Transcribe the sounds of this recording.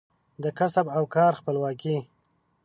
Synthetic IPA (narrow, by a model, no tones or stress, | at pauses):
d̪əkasabawkɑːɾxpəlwɑki